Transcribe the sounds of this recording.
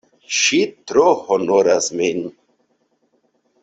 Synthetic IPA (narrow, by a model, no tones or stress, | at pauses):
ʃit̪ɾohonoɾasmin